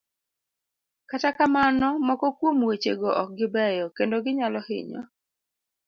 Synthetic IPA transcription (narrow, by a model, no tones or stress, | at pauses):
katakamanɔmɔkɔkwomwet͡ʃḛɡɔʔɔk̚ɡɪbɛjɔkendoɡɪɲalɔhɪ̰ɲɔ̰